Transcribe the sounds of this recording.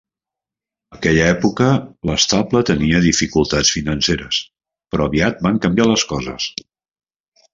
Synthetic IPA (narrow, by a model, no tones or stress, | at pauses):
əkɛʎəɛpukələst̪aplət̪əniəðifikulˠt̪at͡sfinənseɾəs | pɾɔəβiat̪̚baŋkəmbjaləskɔzə̰s